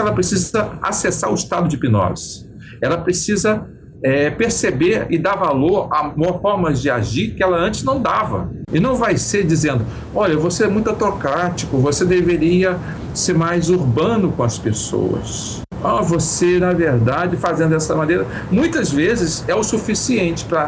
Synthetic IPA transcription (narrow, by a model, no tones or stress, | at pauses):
ɛlɐpɾesizɐa̰sesaɾʊɪst̪ad̪ʊd͡ʒɪpinɔ̰sɪ̥ | ɛlɐpɾesizɐ | ɛpeɾsebeɾɪd̪avaloɾamohomɐzd͡ʒɪa̰ʒikɪɛlɐɐ̃nt͡ʃɪznɐ̃w̃d̪avɐ̰ | ɪnɐ̃w̃vajseɾd͡ʒizẽnd̪ʊ | ɔʎɐvoseɛmũj̃t̪awt̪okɾat͡ʃikʊvosed̪eveɾiɐ | seɾmajzuɾbɐ̃nʊkõɐspeso̰wɐ̰s | avosenɐveɾd̪ad͡ʒɪfazẽnd̪ʊɛsɐmɐnejɾɐ | mũj̃t̪ɐzvezɪzɛʊsufisiẽnt͡ʃɪ̥pɾɐ